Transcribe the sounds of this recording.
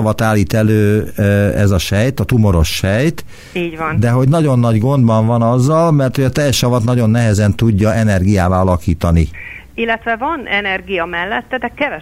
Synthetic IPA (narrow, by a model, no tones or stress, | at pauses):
ɒvɒt̪aːlːiːt̪ɛløː | ɛzɒʃɛjt̪ɒt̪umo̞ɾo̞̰ʃːɛjt̪ | iːɟvɒnd̪ɛɦo̞ɟnɒɟo̞nːɒɟɡo̞nd̪bɒɱvɒnɒzːɒlmɛrt̪hoɟɒt̪ɛjːɛʃɒvɒt̪nɒɟo̞nːɛɦɛzɛnt̪uɟːɒʔɛnɛrɡijaːvaːɒlɒkiːt̪ɒnḭ | ilːɛt̪vɛvɒnɛnɛrɡijɒmɛlːɛt̪ːɛd̪ɛkːɛvɛ